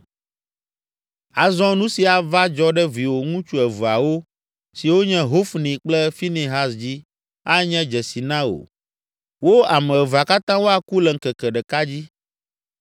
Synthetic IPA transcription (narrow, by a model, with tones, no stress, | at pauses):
a˨zɔ̃˦nũ˦si˨a˨va˦d͡ʒɔ˦ɖɛ˦vi˨wo˨ŋũ˦t͡ʃu˦ɛ˨vu˨a˨wo˦ | si˨wo˦ɲɛ̃˦ɦo˦fnĩ˨k͡plɛ˦fi˦ne˨ɦa˦sd͡ʑi˦ | a˦ɲɛ̃˦d͡ʒɛ˨si˨nã˦o̰˨ | wo˦a˨mɛ̃˨ɛ˨va˨ka˦t̪ã˦wo˦a˨ku˦lɛ˨ŋ̩˨kɛ˨kɛ˨ɖɛ˨ka˦d͡ʑi˦